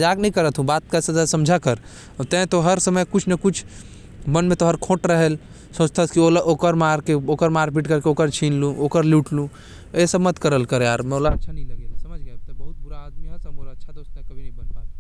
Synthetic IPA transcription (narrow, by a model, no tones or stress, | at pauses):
d͡ʒaknəĩkəɾət̪ʰɦũbat̪̚kəsəasəmd͡ʒʱakəɾ | t̪ɛ̃t̪oɦəɾsəməjkut͡ʃʰnəkut͡ʃʰ | mənmet̪oɦəɾkʰoʈɾəɦəl | sot͡ʃt̪ʰəskiolʔokəɾmaɾkeokəɾmaɾp̬iʈkəɾkeokəɾt͡ʃʰinlũʔokəɾluʈlũ | esəbmət̪kəɾəlkəɾjaɾmeolaətːʃʰanĩləɡesəməd͡ʒʱɡɛt̪ɔbəɦut̪̚buɾaːd̪miɦəɾsəbolaətːʃʰat̪ost̪akəbʱinɐĩbənt̪a